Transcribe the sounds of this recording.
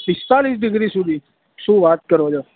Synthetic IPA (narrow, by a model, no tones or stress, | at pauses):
pɪst̪aːlis̬ɖɪɡɾisʊd̪ʱiː | ʃũːʋaːt̪̚kəɾod͡ʒoː